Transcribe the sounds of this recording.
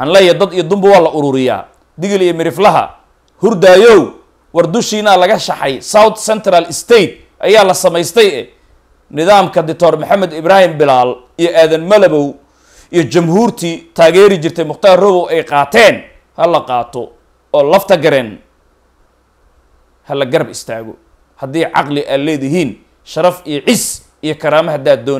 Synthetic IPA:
ʔɑnlɛjɐd̪ɐd̪ijɔd̪ʊmbʊwɑːlɐʔʊɾʊːɾɪja̰ː | d̪ɪɣɪlijɔmɪɾɪflɐɦɐ̰ | hʊrd̪aːjɔw | wɑrd̪ʊʃiːnɐlɐɣɐʃɑħɑjsawt̪sɛnt̪ʰɾɐlɪst̪ʰɛjt̪̚ | ʔɐ̰jaːlɐsɐmɛjst̪ʰɛjɛ̰ | nɪðaːmkʰɐd̪ɪk̚t̪ʰɔːrmʊħɑmːɛd̪ɪβɾaːhɪmbɪlaːl | ijɔʔaːðɐnmɐlɐβɔw | ijɞt͡ʃɐmɦuːrt̪ʰiːt̪ʰaːɣɛːɾɪt͡ʃɪrt̪ʰɛjmʊχt̪aːrrʊβɔwɛjqɑːt̪ʰɛːn | hɐlɐqɑːt̪ʰɔ̰ | ɔːlɐft̪ʰɐɡɐɾɛːn | hɐlɐɡɐɾɐbɪst̪ʰaːɣɔ̰ | hɐd̪iːʕɑ̰qlɪʔalɛːðɪɦiːn | ʃɐɾɐfijɔʕɪs | ijɞkʰɐɾaːmɐɦɐd̪aːd̪ɔːn

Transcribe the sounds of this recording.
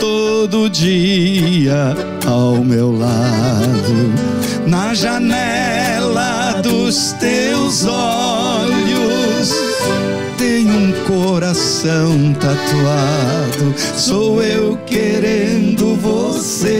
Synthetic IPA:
t̪od̪ʊd͡ʒi | ɐ | awmewlad̪ʊ | nɐʒɐnɛ | lɐ | d̪ʊs | t̪e | wzɔ | ʎʊs | t̪ẽɲ̃ũkoɾas | ɐ̃w̃t̪at̪ua | d̪ʊ | sowewkeɾẽnd̪ʊvo | se

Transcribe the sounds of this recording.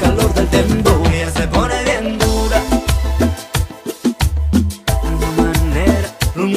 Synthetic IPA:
kaloɾðelt̪emboaseponeðend̪uɾa | unmaneɾaun

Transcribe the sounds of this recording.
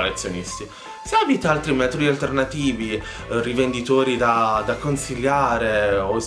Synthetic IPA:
let̪sːjonist̪i | siabit̪aalt̪ɾimɛːt̪od̪ialt̪ernat̪iːvi | rivend̪it̪oːɾid̪ad̪akːonsilːjaːɾeo

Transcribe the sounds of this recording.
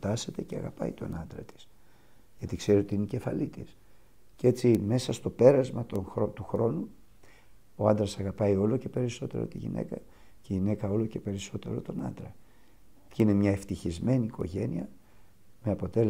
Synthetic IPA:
t̪ɐse̞t̪e̞ceɐɣɐpɐ̰it̪o̞̰nɐnd̪ɾɐt̪i̥s | ʝɐt̪ikse̞ɾio̞t̪iineice̞fɐlit̪is | ce̞t͡sime̞sɐst̪o̞pe̞ɾɐzmɐt̪onxot̪uxɾo̞nu | o̞ɐnd̪ɾɐsɐɣɐpɐio̞lo̞ce̞pe̞ɾiso̞t̪e̞̰ɾo̞̰t̪iʝḭnʔe̞̰kɐ | ceʝine̞kɐo̞lo̞ce̞pe̞ɾiso̞t̪e̞ɾo̞̰t̪o̞nɐ̰nd̪ɾɐ | cinemɲɐe̞ft̪içizme̞niːko̞̰ʝe̞niɐ | meɐpo̞t̪e̞l

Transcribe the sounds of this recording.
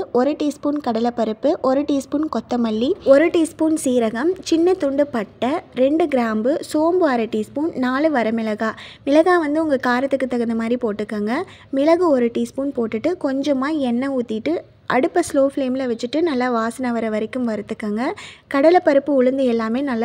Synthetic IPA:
ɔɾɯʈiːspuːnkɐɽɐlɐpːɐɾɯpːɯʔɔɾɯʈiːspuːnkɔt̪ːɐmɐlːiɔɾɯʈiːspuːnsiːɾɐɣɐmt͡ʃɪnːɐt̪ʊɳɖɯpɐʈːɐɾɛɳɖɯɡɪɾaːmbɯsoːmbɯaːɾɐʈiːspuːnnaːɭɯʋɐɾɐmɪlɐɣaːmɪlɐɣaːʋɐnd̪ɯʊŋɡɐkaːɾɐt̪ːɯkːɯt̪ːɐɣɐnd̪ɐmaːd̪ɾipoːʈːɯkːaːŋɡɐ | mɪlɐɣɯɔɾɯʈiːspuːnpoːʈːɪʈːɯkɔɲd͡ʒɐmaːɛnːɐuːt̪ːɪʈːɯ | ʔɐɽɯpːɐsloːfleːmɪlɐʋɛt͡ʃːɯʈːɯnɐlːɐʋaːsɐnɐʋɐɾɐʋɐɾɛkːɯmʋɐɾɯt̪ːɯkːaːŋɡɐkɐɽɐlɐpːɐɾɯpːɯʊɻɯnd̪ɯɛlːaːmeːnɐlːɐ

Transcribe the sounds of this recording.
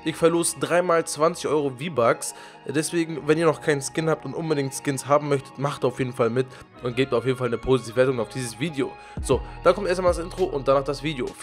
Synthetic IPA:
ʔɪçfɛɐloːsədʁaɪmaːlt͡sv̥ant͡sɪ̥çʔɔʏʁoviːbaks | d̥ɛsv̥eːɡŋ̩vɛniːɐnɔχkʰaɪnskɪnhaːp̚tʊntʔʊnbədɪŋktskɪnshaːbm̩mœçtə̥tmaχtːaʊfjeːdn̩falmɪt | ʔʊnt̚ɡ̥eːp̚tiːaʊfjeːdn̩falnəpʰoːzitʰiːvəveːɐtʊŋaʊfd̥iːzəsv̥iːdeo̰ː | z̥oːd̥aːkʰɔmtʔeɐstaɪmadasʔɪntʁ̥oʔʊnt̚d̥anaːχd̥asv̥iːdeo̰

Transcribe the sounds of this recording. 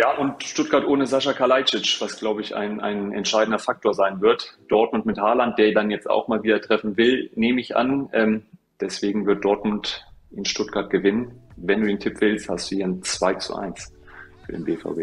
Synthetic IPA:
jaːʔʊntʃtʊt̚ɡ̥aːɐtʔoːnəzaʃakʰalaɪt͡ʃɪt͡ʃv̥asɡ̥laʊbəɪçʔa̰ɪna̰ɪnɛ̰ntʃaɪdn̩dɐfak̚tʰoːɐzaɪnvɪɐtd̥ɔɐt̚mʊntmɪthaɐlant̚d̥eːɐdanjɛt͡sta̰ʊxmaːlviːdɐtʁ̥ɛfn̩vɪlneːməɪçʔa̰nʔɛːm | d̥ɛsv̥eːɡŋ̩vɪɐt̚d̥ɔɐtmʊntʔɪnʃtʊt̚ɡ̥aɐt̚ɡ̥əvɪnənvɛnduːdeːntʰɪpv̥ɪlstha̰std̥uːhiːənt͡sv̥aɪt͡sṵʔa̰ɪns | fyːɐdḛːnbeːfa̰ʊbeː

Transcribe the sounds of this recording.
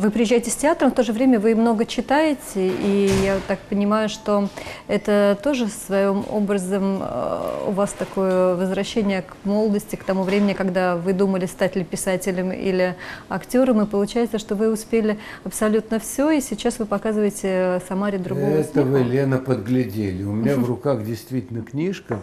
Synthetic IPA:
vɨpɾʲɪjɪʑːæjɪtʲɪsʲtʲɪat̪ɾəmft̪o̞ʐɨvɾʲemʲəvɨmno̞ɡət͡ɕːɪt̪ajɪtʲɪijat̪ak̚pənʲɪmajʊʂt̪o̞ɛt̪ət̪o̞ʐɨsvɐjomo̰bɾəzəm | ʊ̰vast̪ɐko̞jəvəzvɾɐɕːenʲɪjəkmo̞lˠd̪əsʲtʲɪkt̪ɐmuvɾʲemʲɪnʲɪkɐɡd̪avɨd̪uməlʲɪst̪atʲlʲɪpʲɪsatʲɪlʲəmḭlʲɪɐktʲo̞ɾəmɨpəlˠʊt͡ɕæjɪt̪səʂt̪o̞vɨʊspʲelʲɪ | ɐpsɐlʲut̪nəfsʲoisʲɪt͡ɕːasvɨpɐkazɨvəjɪtʲɪsɐmaɾʲɪd̪ɾʊɡoɛt̪əvɨlʲenəpəd̪ɡlʲɪdʲelʲɪʊmʲɪnʲavrʊkaxdʲɪjst̪vʲitʲɪlʲnəknʲiʂkə

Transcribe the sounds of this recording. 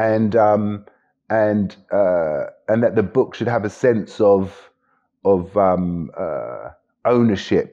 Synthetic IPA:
ɨ̃nʌ̃m | ə̃nʔʌə̃nðət̪̚ðəbʊkʃɨd̚əvɨsɛ̃nsəv | əvʌ̃mʌ̰ | õʊ̃nəʃɪp̚

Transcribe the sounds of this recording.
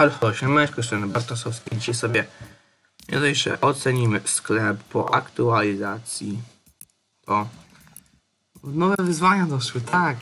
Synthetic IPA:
alfɔɕɛmɛʃkɔʂɛnɛbaɾt̪asɔfskʲid͡ʒit͡ɕɛsɔbʲjɛ | mʲɛ̰d̪aiʂɛ̰ʔɔt̪sɛɲimɘsklɛpːɔ̰ʔa̰kt̪ualʲizat̪sʲji | t̪ʰɔ | nɔvɛvɘzvaɲad̪ɔʃwɘt̪ʰak

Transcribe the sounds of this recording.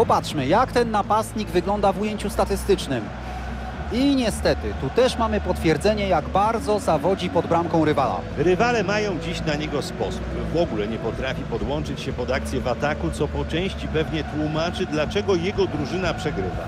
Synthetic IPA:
pɔpatʂmɘjakt̪ɛnːapast̪ɲiɡvɘɡlɔnd̪avujeɲt͡ɕust̪at̪ɘst̪ɘt͡ʂnɘm | iɲɛst̪ɛt̪ɘt̪ut̪ɛʂmamɘpɔt̪fʲjɛɾd̪zɛɲɛjaɡbaɾd̪zɔzavɔd͡ʑipɔd̪bɾamkɔ̃w̃ɾɘvala̰ɾɘvalɛmajɔ̃w̃d͡ʑiɕnaɲɛɡɔspɔsup | vɔɡulɛɲɛpɔt̪ɾafʲipɔd̪wɔnt͡ʂɘt͡ɕɕɛpɔd̪akt̪sʲjɛvat̪akut̪sɔpɔt͡ʂɛ̃w̃ɕt͡ɕipɛvɲɛt̪wumat͡ʂɘd̪lat͡ʂɛɡɔjɛɡɔd̪ɾuʐɘnapʂɛɡɾɘ̰va̰

